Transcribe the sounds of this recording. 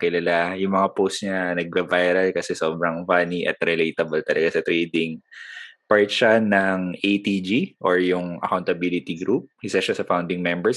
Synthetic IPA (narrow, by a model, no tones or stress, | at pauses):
kɪlɐlajʊŋmɐŋapost̪ɲɐnɐɡ̚bɐvajɾɐlkɐsɛso̞ːbɾɐŋfaniʔɐ̰t̪̚ɾɪlejt̪ɐbɐlt̪ɐlɐɡasɐt̪ɾiːd̪ɪŋ | paɹt̪ʃanɐŋʔejt̪id͡ʒiʔoɹjʊŋʔɐ̰kawnt̪ɐbilɪt̪iɡɾup̚ʔɪsaʃasɐfawnd̪ɪŋmɛmbɛɹs